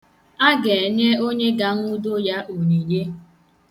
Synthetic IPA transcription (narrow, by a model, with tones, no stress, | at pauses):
a˦ɡe˨ɲe˦o˦ɲe˦ɡa˨n̩˦ʊ˦do˦ja˦ʔo˨ni˨je˦